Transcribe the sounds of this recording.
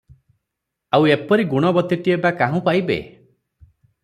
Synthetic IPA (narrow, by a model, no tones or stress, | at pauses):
awepɔɾiɡuɽ̃ɔbɔt̪eʈiebakaɦũpajbḛ